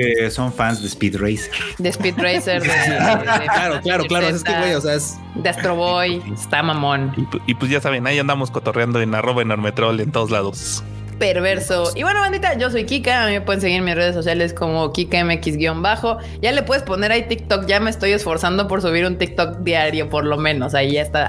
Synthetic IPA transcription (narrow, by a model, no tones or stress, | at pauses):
eso̞ɱfanzðespit̪rejseɾd̪espit̪rejseɾðesilaɾoklaɾoklaɾoseskewejoseaes | d̪east̪ɾoβojest̪amamõ̞niipwezʝasaβenajand̪amo̞skot̪orjand̪o̞enaro̞βaenoɾmet̪ɾolent̪o̞ðozlaðo̞s | peɾβe̞ɾsoiβwe̞noãnd̪it̪aʝo̞s̬o̞jkikaːmime̞pwe̞ðens̬e̞ɣiɾmisre̞ð̞es̬ːo̞sjale̞sko̞mokikaemeekizɣjo̞mbaxo | ɟ͡ʝale̞pwe̞ðe̞spo̞ne̞ɾait̪ik̚t̪okɟ͡ʝame̞ːst̪o̞je̞sfo̞ɾsand̪opo̞ɾsuβ̞iɾunt̪ik̚t̪ok̚d̪jaɾjo̞po̞ɾlomẽ̞no̞saiʝaest̪a